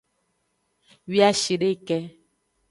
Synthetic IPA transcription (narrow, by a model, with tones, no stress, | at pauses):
wi˦a˦ʃi˨ɖe˦˨kɛ˦